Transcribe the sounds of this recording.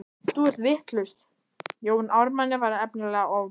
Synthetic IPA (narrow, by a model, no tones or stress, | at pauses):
t̪uɛr̥t̪vɪht̪lʏst̪ | joːwnawɾmanːɪvaɾɛpnɪlɛɣaaw